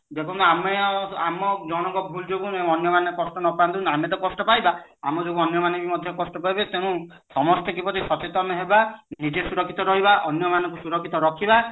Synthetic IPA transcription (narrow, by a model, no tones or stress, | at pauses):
d̪ekʰɔnameamɔd͡ʒɔɽ̃ɔŋkɔbʱuld͡ʒoɡuẽɔnjɔmanekɔsʈɔnɔpãnt̪ũnamet̪̬ɔkɔsʈɔpajbaamɔd͡ʒoɡuɔnjɔmanɔɡimɔd̪ʱjɔkɔsʈɔpajbet̪ẽũ | sɔmɔst̪ekibɔɾisɔt͡ʃet̪ɔmeɦebanitesuɾɔkʰːit̪ɔɾɔɦibaʔɔnjɔmanɔ̃ŋkusuɾɔkʰːit̪ɔɾɔkʰiba